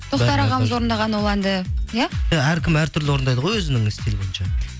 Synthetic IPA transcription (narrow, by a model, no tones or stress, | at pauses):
t̪ʰoqt̪ɑɾɑʁɑməzwo̞ɾənd̪ɑʁɑnwolˠɑnd̪əjaɑæɾkʲʰɪmæɾt̪ʰʏɾlɪwo̞ɾənd̪ɑjd̪əʁo̞jwɵzɪnɪŋɪst̪elbojɪnʃɑ